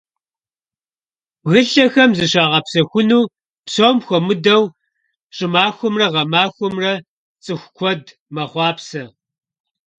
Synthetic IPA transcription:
ɣɨɬɐxɐmzɨɕaːʁɐpsɐxʷʊnuː | psoːmxʷɔmɨdɐw | ɕʼɪmaːxʷʊmrɐʁɐmaːxʷʊmrɐ | t͡sʼɨxʷkʷʰɔd | mɐχʷɑːpsɐ

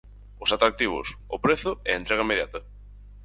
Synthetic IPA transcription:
ʊsat̪ɾak̚t̪iβ̞ʊ̰sʊpɾeθʊɛ̰ent̪ɾeɣɐimeðjat̪ɐ

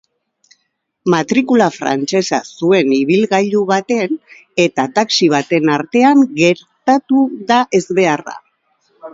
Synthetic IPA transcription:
mat̪ɾikulafɾa̰nt͡se̞sa̰sue̞niβ̞ilɣaʎuβat̪e̞n | e̞t̪at̪aksiβ̞at̪e̞naɾt̪e̞aŋɡe̞ɾt̪at̪uðaʔe̞zβe̞ara̰

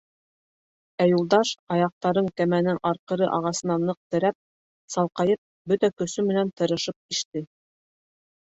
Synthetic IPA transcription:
æjulˠd̪ɑʃɑjɑq̚t̪ɑɾɤɴkæmænɘŋʔɑɾqɤ̆ɾɤʔɑʁɑsɤ̆nɑnɤq̚t̪ɘ̆ɾæp̚ | sɑlˠqɑjɤp̚ | bɵt̪ækɵ̆sɵmɘ̆nænt̪ɤ̆ɾɤ̆ʃɤp̚iʃt̪ɘ

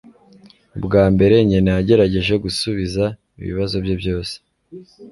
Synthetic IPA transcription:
ubɡaːmbe̞ɾe̞ɲenaaɟe̞ɾaɟe̞ʒe̞ɡusuβiza | ḭβḭβazo̞bjebjo̞ːse̥

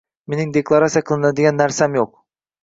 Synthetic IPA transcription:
meniŋd̪eklˠaɾasijakʰɯlˠɯnad̪eɡʲænːæɾsæmjoq̚

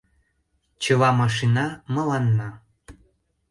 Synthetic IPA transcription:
t͡ɕə̆lɑmɑʃinɑmɤ̆lɑnːɑ

